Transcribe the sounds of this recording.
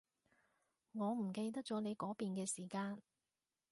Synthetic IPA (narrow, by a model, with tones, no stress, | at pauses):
ŋɔː˨˧m̩˨˩ke˧jt̪̬ɐ˥k̚t͡ʃɔː˨˥ne˨˧jkɔː˨˥piː˨˧nkɛː˧siː˨˩kaː˧n